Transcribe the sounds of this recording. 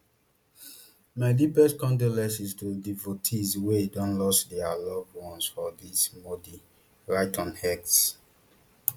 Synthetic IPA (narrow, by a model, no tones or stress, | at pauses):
maɪdipɛskɔ̃ndolɛ̃sistudivotʰizweidɔ̃nlɔsdɛalɔvwɔ̃nsfɔdismɔdi | ɹaɪtɔ̃nhɛks